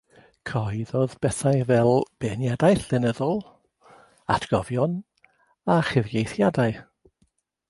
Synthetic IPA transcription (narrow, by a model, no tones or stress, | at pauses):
kʰɔɨðɔðbɛθajvɛlˠb̥ɛnjadajɬɪnəðɔlˠ | a̰tʰɡ̥ɔvjɔn | aχɪvɡejθjadaɨ